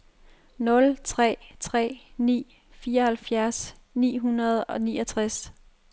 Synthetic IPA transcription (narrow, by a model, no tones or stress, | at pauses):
nɔ̽lt͡sʰʁɛ̰ːt͡sʰʁɛ̰ːnḭː | fiːɐɒhælfjæɐs | nḭːɦunɐð̞̩ˠɒ̽niːɒt͡sʰʁas